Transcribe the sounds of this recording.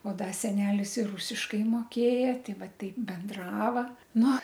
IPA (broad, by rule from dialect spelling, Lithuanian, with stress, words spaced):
oː ˈdɐ ˈsʲæːnʲɛlʲɪs ɪr ˈrʊsʲɪʃkɐɪ moːˈkʲeːjɛ ˈtʲɛɪ ˈʋɐ ˈtɐɪp bʲɛnˈdrɑːʋɐ ˈnʊ